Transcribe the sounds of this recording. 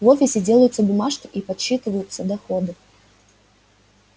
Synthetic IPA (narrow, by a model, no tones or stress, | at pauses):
vofʲɪsʲɪdʲe̞lˠəjʊt̪sːəbʊmaʂkʲɪʔipɐt̪ɕːit̪ɨvəjʊt̪sːəd̪ɐxod̪ɨ